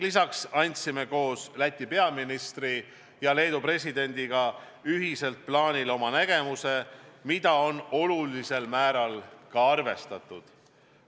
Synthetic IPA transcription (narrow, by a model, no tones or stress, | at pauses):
lis̬ɑksɑnʲt̪ʲsime̞ko̞ːslæt̪ʲːipe̞ɑminist̪ri | jɑle̞ːd̪upre̞s̬ʲid̪e̞nʲd̪̥iɡ̥ɑ | yɦise̞lt̪̚plɑːnʲilo̞mɑnæɡ̥e̞muse̞mid̪̥ɑo̞no̞lulise̞lmæːɾɑlkɑɑrve̞st̪ɑt̪ːˑud̪̥